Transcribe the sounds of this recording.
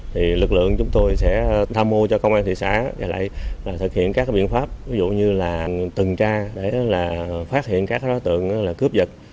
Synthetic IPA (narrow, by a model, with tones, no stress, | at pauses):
t̪ʰi˨˩lɨ˨˩k̚lɨ̰˧˨əŋt͡ɕʊ˨˦ŋ͡mt̪o˧jsɛ̰˧˥t̪ʰaː˧mːo˧t͡ɕɔ˧kə˧wŋ͡mʔaː˧nt̪ḭ˧˨sa̰ː˧˥˨ʔa̰˧˩la̰ː˧˨jlaː˨˩t̪ʰɨ˨˩k̚hḭ˧˨ənkaː˦˥kaː˨˦ɓḭ˧˨ənfaː˦˥p̚vi˨˦zṵ˧˨ɲɨ˧laː˨˩t̪ɨ˨˩ŋt͡ɕaː˧ɗe˧˩˨laː˨˩faː˦˥t̚hḭ˧˨ənkaː˦˥kaː˨˦ɗɔ˨˦t̪ɨ̰˧˨əŋ˧laː˨˩kɨ˦˥əp̚zə˨˩t̚